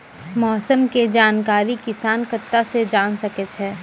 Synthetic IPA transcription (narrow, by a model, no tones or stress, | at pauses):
mɔːsəmked͡ʒaːnkaːɾikɪsaːnkət̪ːased͡ʒaːnsɐket͡ʃʰɛː